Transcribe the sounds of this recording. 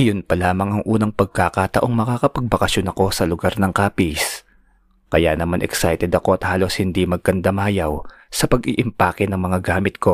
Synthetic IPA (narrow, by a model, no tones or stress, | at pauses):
ʔɐjonpɐlaːmɐŋɐŋʔuːnɐŋpɐɡ̚kakat̪ɐʔo̞ŋmɐkakɐpɐɡ̚bɐkɐsjo̞nɐko̞sɐlʊɡaɾnɐŋkaːpis | kɐjanɐmanʔɛ̰ksajt̪ɛd̪ɐko̞ɐt̪haːlo̞shɪnd̪imɐɡ̚kɐnd̪amaːjaw | sɐpɐɡʔiʔɪmpaːkɪnɐŋmɐŋaɡaːmɪt̪̚ko̞